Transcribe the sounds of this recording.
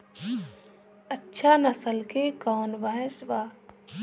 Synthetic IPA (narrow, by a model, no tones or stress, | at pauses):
ətːʃʰanɐsəlkekɔːnʋɐɦesʋaː